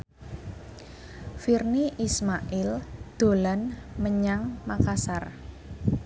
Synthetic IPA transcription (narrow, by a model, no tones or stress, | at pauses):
firniʔismaʔɪld̪̥o̤lanməɲaŋmakasar